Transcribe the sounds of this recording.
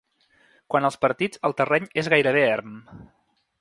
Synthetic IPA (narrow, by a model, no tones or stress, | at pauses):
kwanəlˠspəɾt̪id͡zəlˠt̪ərɛɲezɣajɾəβeɛrm